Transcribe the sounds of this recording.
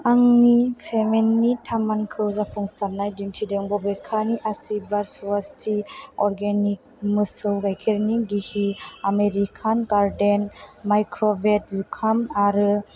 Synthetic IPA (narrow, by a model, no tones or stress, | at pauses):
aŋnipʰemenːitʰamankʰɯwzapʰɔŋstʰaɾnajdintʰideŋbɔbekʰaniʔasibaɾsuastʰiɔɾɡenik̚mɯsɯwɡajkʰeɾniɡihiameɾikʰanɡaɾdenmajkʰɾɔbet̚zukʰamaɾɯ